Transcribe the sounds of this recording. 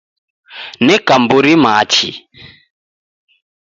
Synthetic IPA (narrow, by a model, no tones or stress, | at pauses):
nɛkambuɾimat͡ʃi